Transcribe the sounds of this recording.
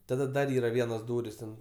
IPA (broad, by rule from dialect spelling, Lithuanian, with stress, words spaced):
tɐˈdɐ ˈdɐr ˈiːrɐ ˈʋʲiɛnoːs ˈduːrʲɪs tʲɛn